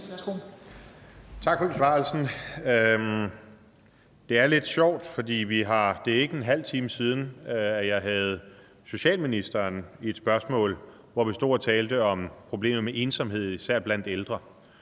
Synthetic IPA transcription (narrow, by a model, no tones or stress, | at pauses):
t͡sʰɑ̈ɡ̥fɒd̥isʋɑ̈ːl̩sn̩ | d̥e̝æɐle̝d̥ɕɒʊ̰d̥fɒ̽d̥ḭːʋiɦɑ̈d̥e̝e̝ɡ̥əenɦæl̰t͡sʰiːməsiːð̞ˠn̩æjɑ̈ɪɦæð̞̩ˠ | so̝ɕɛ̰ːlminisd̥ɐːnie̝d̥sb̥ɶɐsmɔ̰̽ːl | ʋɒʋisd̥o̝̰ːɐt͡sʰɛːld̥əɒ̽mpʰʁo̝b̥le̝̰ːmð̩ˠmeʔe̝ːnsɒ̽mɦe̝ð̞̰ˠisæɐ̰b̥lænd̥eld̥ʁɐ